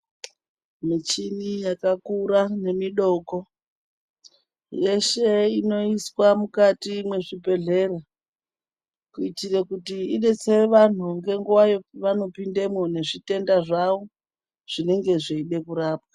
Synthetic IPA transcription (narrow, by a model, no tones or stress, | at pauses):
mit͡ʃinijakakuɾane̞miɗo̞ko̞ | je̞ʃe̞ino̞iswamukatimwe̞ʐibe̞ɮe̞ra | kuitirekutiine̞t͡seʋan̤uŋɡe̞ŋɡuwajo̞ʋano̞pinde̞mwone̞ʐite̞ndaʐaʋo | ʐ̥ine̞ŋɡe̞ʐeiɗe̞kuɾaːp̚wḁ